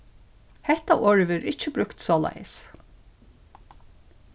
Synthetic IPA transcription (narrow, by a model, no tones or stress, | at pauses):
hɛht̪aʔoːɹʋɪɾɪt͡ʃːəbɾʉkt̪sɔːla̰jəs